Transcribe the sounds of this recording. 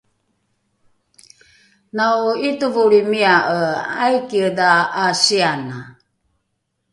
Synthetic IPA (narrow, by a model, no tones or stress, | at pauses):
nauituvuɾimiaʔəajkiədaːsiana